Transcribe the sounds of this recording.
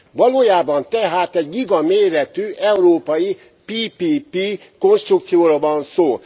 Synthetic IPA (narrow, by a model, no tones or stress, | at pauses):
vɒloːjaːbɒnt̪ɛɦaːt̪ɛɟliɡɒmeːɾɛt̪yːʔɛuroːpɒji | piːpiːpi | ko̞nʃt̪ruk̚t̪sijoːɾovɒnsoː